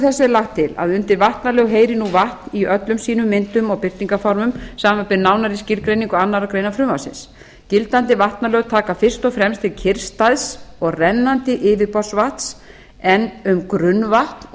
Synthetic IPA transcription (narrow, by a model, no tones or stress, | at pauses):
θɛsːɪlaxt̪ʰːɪla̰ðʏnt̪ɪɾvaht̪nalœːɣɦeːjɾɪnuvaht̪niœt̪lʏmsiːnʏmːɪnt̪ʏmɔɣpɪɾ̥t̪niŋkafɔɾmʏmsaːmapɪɾnawnaɾiscɪɾkɾejniŋkʏanːaɾawkɾeːjnafɾʏmasɪ̰ns | cɪlt̪ant̪ɪvaht̪nalœːɣt̪ʰaːkafɪr̥st̪ɔɣfɾɛmst̪ʰɪlcʰɪr̥st̪aðsɔɣrɛnːant̪ɪʔɪːvɪpɔr̥svaht̪s | ɛnʏmkɾʏnːvaht̪n